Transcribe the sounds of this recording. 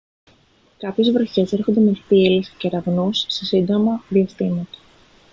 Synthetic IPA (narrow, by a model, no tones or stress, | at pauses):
kɐpçe̞zvɾo̞çe̞se̞ɾxo̞nd̪e̞mepilesceɾɐvnusːe̞sind̪o̞mɐðiɐst̪imɐt̪ɐ̥